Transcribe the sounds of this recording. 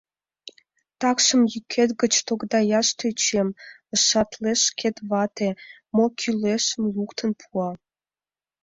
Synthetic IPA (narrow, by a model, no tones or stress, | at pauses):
t̪ɑkʃə̆mjykʰet̪ɡət͡ɕt̪oɡd̪ɑjɑʃt̪et͡ɕem | əʃɑt̪leʃkʰet̪βɑt̪e | mokʰyleʃəmjukt̪ʰənpʰuɑ